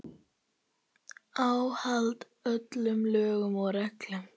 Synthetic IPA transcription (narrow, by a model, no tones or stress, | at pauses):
awhalt̪ | œt̪lʏmlœːɣʏmɔɣrɛklʏm